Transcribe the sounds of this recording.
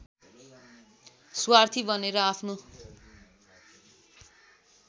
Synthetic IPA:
swart̪ʰibʌneɾʌapʰno

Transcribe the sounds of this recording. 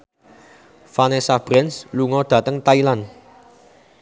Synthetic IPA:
fanesab̥ɾɛnsluŋɔd̪̥ä̤t̪əŋt̪ailan

